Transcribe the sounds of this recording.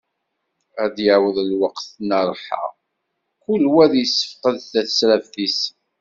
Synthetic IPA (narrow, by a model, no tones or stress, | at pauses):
æd̪jəʕwəðlwəqθnəɾˤħa̰ʁ | kulwæðjəsːə̥fqəðθæθsɾævθis